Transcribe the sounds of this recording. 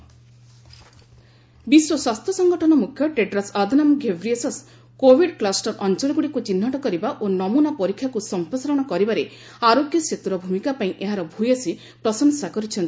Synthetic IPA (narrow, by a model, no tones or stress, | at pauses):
biswɔswast̪ʰjɔsɔŋɡɔʈʰɔnɔmukʰjɔʈeɖɾasad̪ʱunamɡʱebʱɾiesɔs | kobʱiɖklasʈɔɾɔnt͡ʃɔlɔɡuɽikut͡ʃinːaʈɔkɔɾibaʔonɔmunapɔɾikʰːjakusɔmpɾɔsaɾɔɽ̃ɔkɔɾibaɾe | aɾoɡjɔset̪uɾɔbʱumikapaĩʔeɦaɾɔbʱujasi | pɾɔsɔŋsakɔɾit͡ʃʰɔnt̪i